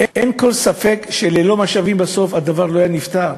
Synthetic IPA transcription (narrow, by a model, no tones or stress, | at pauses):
ʔenko̞lsafe̞kʃelelo̞maʃavimbaso̞fad̪avaʁlo̞ajanift̪aʁ